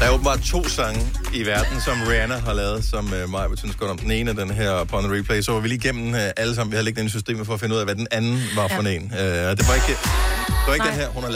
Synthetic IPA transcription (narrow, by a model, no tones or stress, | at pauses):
d̥ɑob̥m̩bɑ̈d̥ˠt͡sʰo̝̰ːsɑ̈ŋəiʋæɐd̥n̩sɒ̽mʁiænɐɦɑ̈lɛːð̞̩ˠsɒ̽mømɑ̈ɪb̥əsynsɡ̥ɒɾ̥ɒ̽md̥ene̝ːnəæd̥enɦæɐ̰pʰɒnnʁipʰleɪsɒ̽ʋɑ̈ʋiliːɡ̥em̰n̩ʔæləsɑmn̩ʋihæðˠleɡd̥enəsysd̥e̝̰ːmfɒ̽ɒfe̝nəuð̰ˠæʋæd̥enænn̩ʋɑ̈fɒ̽nḛːnød̥e̝ʋɑ̈e̝ɡ̥əd̥eʋɑeɡ̥d̥enɦæɐ̰hunhɑ̈